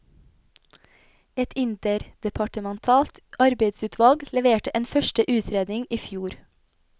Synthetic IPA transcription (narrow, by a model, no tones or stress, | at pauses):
ɛt̪ʰɪnt̪əɾd̪̥ɛpʰɑʈəmɛnt̪ʰɑːlt̪ʔɑɾbeɪd̪sʉːt̪ʰʋɑlɡlɛʋeːʈəʔeːnfœʃʈəʔʉːt̪ʰɾeːd̪nɪŋʔiːfjuːɾ